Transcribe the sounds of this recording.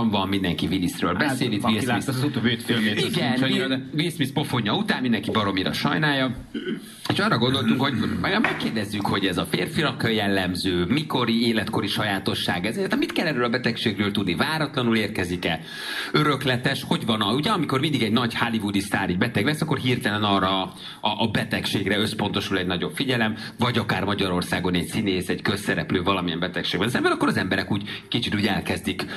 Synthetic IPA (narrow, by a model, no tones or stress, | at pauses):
ɱvɒmmind̪ɛŋkivinisrø̰ːlbɛseːlit̪isisut̪ovet̪feeiɡɛnvismispo̞foɲːɒut̪aːmmind̪ɛŋkibɒɾo̞miɾɒ̰ʃɒ̰jnaːjːɒ | eːʃɒːrɒɡo̞nd̪o̞lt̪uŋkho̞ɟbaːɡɒmmɛkːeːrd̪ɛzːykho̞ɟɛzɒfeːrfilɒkjɛlːɛmzøːmiko̞ɾieːlɛt̪ko̞ɾiʃɒjaːt̪o̞ʃːa̰ːɡɛzernt̪ːɛmit̪kɛlːɛrøːlɒbɛt̪ɛkʃeːɡrøːlt̪ud̪nivaːɾɒt̪lɒnuleːrkɛzikɛ̰ | øɾø̞klɛt̪ɛʃho̞ɟvɒnɒuɟɛɒmiko̞rmind̪iɡɛɟnɒɟhalivud̪ist̪aːɾiɟbɛt̪ɛɡlɛsɒkːo̞rɦiːrt̪ɛlɛnɒːrːɒ | ɒʔːbɛt̪ɛkʃeːɡrɛø̞spo̞nt̪o̞ʃulɛɟnɒɟo̞pfiɟɛlɛm | vɒɟɒkaːrmɒɟɒɾo̞rsaːɡo̞nɛɟsineːsɛɟkøsːɛɾɛ̰pløːvɒlɒmijɛ̰mbɛt̪ɛkʃeːɡbɛnszɛmbɛɾɒkːo̞ɾɒzɛmbɛɾɛkuːɟkit͡ʃit̪uːɟɛlkɛzd̪ik